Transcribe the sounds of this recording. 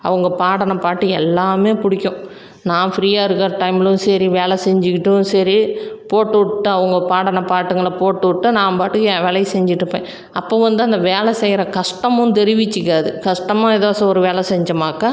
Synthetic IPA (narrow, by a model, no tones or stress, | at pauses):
ɐʋɐŋɡɐpaːɽɐnɐpaːʈːɯɛlːaːmeːpʊɽɪkʲːʊ̃ | nãːfɾiːaːɪɾɯkːɐɾɐʈɐɪmɪlɯ̃nsɐɾiʋeːɭɛsɛɲd͡ʒɪkːɪʈːɯ̃sɐɾipoːʈːɯʋʈːɯɐʋɐŋɡɐpaːɽɐnɐpaːʈːɯŋɡɐɭɐpoːʈːɯʋʈːɯnãːpaːʈːɯkːʋeːlɐjsɛɲd͡ʒɪʈːɯpːḛ̃ː | ɐpːoːʋɐnd̪ɯɐnd̪ɐʋeːlɛsɛjɪɾɐkɐʂʈɐmʊ̃nt̪ɛɾɪʋɪt͡ʃːɯkːaːðɯkɐʂʈɐmaːɛðoːsɐ̃ɔɾɯʋeːɭɛsɛɲd͡ʒɐmaːkɐ